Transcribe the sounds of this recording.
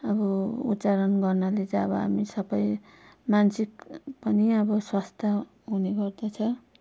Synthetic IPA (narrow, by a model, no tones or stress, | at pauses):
ʌbʌṵtːt͡saɾʌnɡʌrnalet͡sʌbʌɦa̰misʌbʌj | mansikpʌniʌbʌswast̪ʰa | ɦuneɡʌrd̪at͡sʰʌ